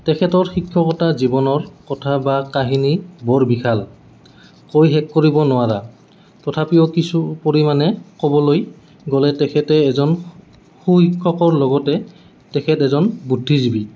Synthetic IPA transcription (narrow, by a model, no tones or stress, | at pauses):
tɛkʰɛtɔɹxikʰːɔkɔtazibɔnɔɹkɔtʰabakaɦinibɔɹbikʰal | kojɦɛkːoɹibɔnʊaɾa | tɔtʰapiokisupoɹimanɛkɔbɔloj | ɡɔlɛtɛkʰɛtɛːzɔn | xuhikʰːɔkɔɹlɔɡɔtɛ | tɛkʰɛtɛzɔnbudʱːizibi